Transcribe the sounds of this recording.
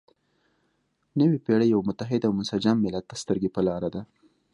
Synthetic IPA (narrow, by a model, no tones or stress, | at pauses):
nəwipeɽəjawmʊt̪aɦɪd̪awmʊnsad͡ʒamːɪlat̪̚ːast̪əɾɡepəlɑɾad̪a